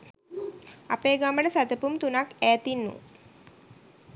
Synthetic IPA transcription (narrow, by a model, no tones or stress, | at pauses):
a̰peːɡamənəsat̪əpumt̪unakæːt̪inːṵ